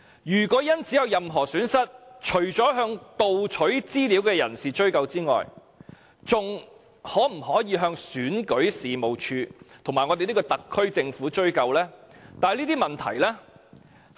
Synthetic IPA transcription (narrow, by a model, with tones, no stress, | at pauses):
jyː˨˩kɔː˨˥jɐ˥nt͡sʰiː˨˥jɐ˨˧wjɐ˨mɦɔː˨˩syː˨˥nsɐ˥t̚t͡ʃʰɵ˨˩ɥt͡sɔː˨˥ɦœː˧ŋt̪o˨wt͡ʃʰɵ˨˥ɥt͡siː˥liː˨˥wkɛː˧jɐ̰˨˩nsiː˨t͡ʃɵ˥ɥkɐ˧wt͡siː˥ŋɔ̰ː˨j | t͡sʊ˨ŋ | hɔː˨˥m̩˨˩ɦɔː˨˥jiː˨˧ɦœː˧ŋsyː˨˥nkɵ˨˥ɥsiː˨mo˨wt͡ʃʰyː˧t̪ʰʊ˨˩ŋmaː˨jŋɔː˧e˨jliː˥kɔː˧t̪ɐ˨kʰːɥt͡sɪ˧ŋfuː˨˥t͡ʃɵ˥ɥkɐ˧wlɛː˥t̪aː˨liː˥t̪iː˥mɐ˨nt̪ʰɐ̰˨˩jlɛː˥